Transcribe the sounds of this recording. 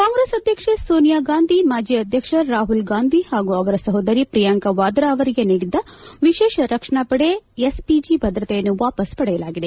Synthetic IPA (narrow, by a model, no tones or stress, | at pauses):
kaːŋɡɾeːsɐd̪ʱjɐkʂesoːnijaːɡaːnd̪ʱimaːd͡ʒiɐd̪ʱjɐkʂɐɾaːɦulɡaːnd̪ʱihaːɡuɐʋɐɾɐsɐɦod̪ɐɾipɾijaŋkɐʋaːd̪ɾaːʋɐɾiɡeniːɽid̪ːɐʋiʃeːʃɐɾɐkʂɐɳapɐɽeespid͡ʒibʱɐd̪ɾɐt̪ejɐnːuʋaːpɐspɐɽɛjɐlaːɡid̪e̞